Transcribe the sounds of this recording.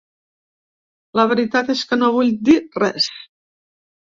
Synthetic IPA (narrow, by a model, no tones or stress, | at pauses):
ləβəɾit̪at̪eskənoβ̞uʎd̪irɛs